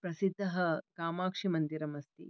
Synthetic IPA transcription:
pɾɐsid̪ʱːɐɦɐkaːmaːkʂimɐnd̪iɾɐmɐst̪ḭ

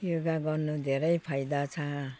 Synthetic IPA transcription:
joɡaɡʌrnud̪ʱeɾʌjpʰajd̪at͡sʰʌ̃

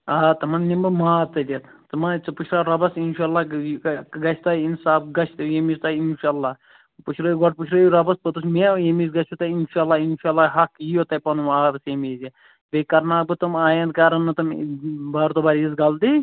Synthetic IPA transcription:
aːt̪ɐmɐnnimbɐmaːt̪ɐlʲit̪t̪ɐmant͡sɨput͡ʃʰɾaːɾɐbɐsinʃaːlːaː | ɡɐt͡ʃʰt̪ainsaːbɡɐt͡ʃʰt̪jemist̪ɐinʃaːlːaː | put͡ʃʰɾɐjɡoʈ̚put͡ʃʰɾɐjɾɐbɐspɐt̪usmejemizɡɐst͡ʃʰut̪ɐinʃaːlːaːinʃaːlːaːɦɐkijot̪ɐpɐnumaːbɐsemizi | bekɐɾnaːbɨt̪ɐmaːjɐnd̪̚kaːɾɐnːɐt̪ɐmbaːɾt̪obaːɾizɡɐld̪i

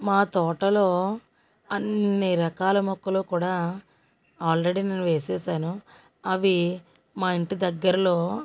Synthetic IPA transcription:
maːt̪ɔːʈɐlo̞ː | ɐnːiɾɐkaːlɐmɔkːɐloːkuːɽaː | aːlɾe̞ɽiːneːnuʋeːseːsaːnu | ɐʋi | maːiɳʈid̪ɐɡːɐɾɐlo̞ː

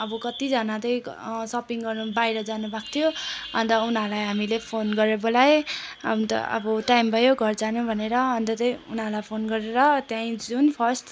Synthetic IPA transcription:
ʌbʌkʌt̪id͡zʌnad̪ʌjsʌpiŋɡʌrnubajɾʌd͡zanubakt̪ʰjoʌnt̪ʌunɦalajɦamilepʰonɡʌɾjebolajʌ̰nt̪ʌ̰ʌ̰bʌʈajmbʱʌjoɡʱʌrd͡zanũbʱʌneɾʌʌnt̪ʌd̪ʌjunalajpʰonɡʌɾeɾʌt̪jãĩd͡zunpʰʌsʈ

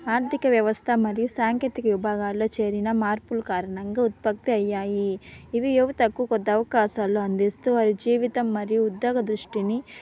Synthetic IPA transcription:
aːɾt̪ʰikɐʋjɐʋɐst̪ʰɐmɐɾijusaːŋkeːt̪ikɐʋibʱaːɡaːlːo̞ːt͡ʃe̞ːɾinɐmaːɾpulkaːɾɐɳɐŋɡaːut̪̚pɐk̚t̪iɐjːaːjiːʋijuʋt̪ɐkːukɔd̪ːɐʋɐkaːʃaːloːɐnd̪ist̪uːɐːɾid͡ʒiːʋit̪ɐmːɐɾijuːd̪ːjoːɡɐd̪ɾuʂʈini

